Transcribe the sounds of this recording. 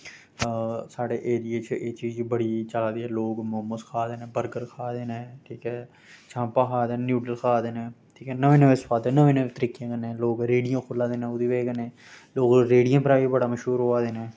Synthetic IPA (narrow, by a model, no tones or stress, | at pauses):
saːɽeːʔeːd̪iːeːt͡ʃʰʔeːt͡ʃiːzd͡ʒibəɽiːt͡ʃəlaːd̪iːɛːloːkmʊɦəmːəskʰaːd̪eːnɛːbəɾɡəɾkʰaːd̪eːneːʈʰiːkɛː | t͡ʃʰãːmpaːkʰaːd̪eːnːnjuːɖəlkʰaːd̪eːnɛː | ʈʰiːkɛːnəʋẽːnəʋeːspʰaːd̪eːnəʋẽːnəʋeːt̪əɾiːkjãːkənːẽːloːɡɾeːɖɪjãːkʰʊlːaːd̪eːnɛ̃ːʊd̪iːʋeːkənẽː | loːɡɾeːɽijãːpəɾaːibəɽaːməʃɦuːɾɦoːaːd̪eːneː